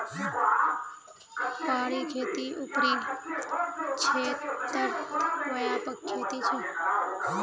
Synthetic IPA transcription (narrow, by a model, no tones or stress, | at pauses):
paɽikʰet̪iʔupɾi | t͡ʃʰet̪ːəɾʋəjapəkkʰːet̪it͡ʃʰe